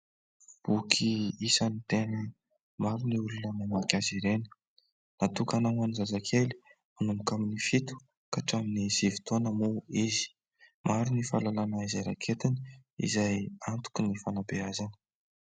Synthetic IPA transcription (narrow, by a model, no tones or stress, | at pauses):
b̥ukʰiisanit̪eni | maɾiniulunənamakʲaziɾenə̥ | nat̪ukanawanizazakʰeli̥ | manumukaminifit̪u̥ | kaʈ͡ʂaminizivi̥t̪onəmuizi̥ | maɾunifalalanaizajɾakʰet̪iniḭzajant̪u̥kinifanabeazanə̥